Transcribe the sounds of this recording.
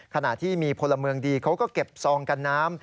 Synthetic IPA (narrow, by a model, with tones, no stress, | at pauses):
kʰa˧na˨˩t̪ʰiː˥˩miː˧pʰo˧lːa˧mɯ˧əŋdiː˧kʰa˦˥wkɔː˥˩ke˨˩p̚sɔː˧ŋka˧nːaː˦˥m